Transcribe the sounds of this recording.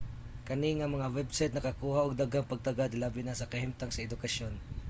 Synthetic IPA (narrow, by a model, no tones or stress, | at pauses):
kɐniŋɐmɐŋawɛbsajt̪̚nɐkɐkuːhaʔoɡ̚d̪aɡhaŋpɐɡ̚t̪ɐɡad̪labɪnasɐkɐhɪmt̪aŋsɐɛd̪ʊkɐʃon